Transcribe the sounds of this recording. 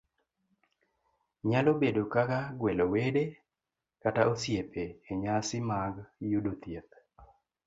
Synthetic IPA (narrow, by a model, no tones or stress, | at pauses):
ɲalobedokakaɡwelowede | kataʔosjepeːɲasɪmaɡjudot̪jet̪̚